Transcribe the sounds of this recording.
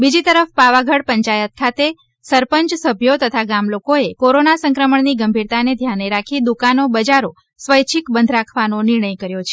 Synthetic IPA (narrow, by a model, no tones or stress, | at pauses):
bid͡ʒit̪əɾəfpaʋaɡʱəɽpəɲt͡ʃajət̪̚kʰat̪e | səɾpəɲt͡ʃsəbʱjot̪ət̪ʰaɡamlokoekoɾonasə̃ŋkɾəməɳniɡəmbʱiɾt̪aned̪ʱjaneɾakʰid̪ukanobəd͡ʒaɾo | sʋəjt͡ʃʰikbənd̪ʱɾakʰʋanonɪɾɳəjkəɾjot͡ʃʰe̥